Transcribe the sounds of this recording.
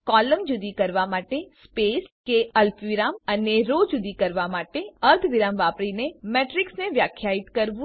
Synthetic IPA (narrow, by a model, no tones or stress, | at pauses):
kɔləmd͡ʒʊd̪ikəɾʋamaʈespeskeəlpʋiɾaməneɾod͡ʒud̪ikəɾʋamaʈeəɾt̪ʰʋiɾamʋapɾinemeʈɾiksneʋjakʰːjait̪kəɾʋũ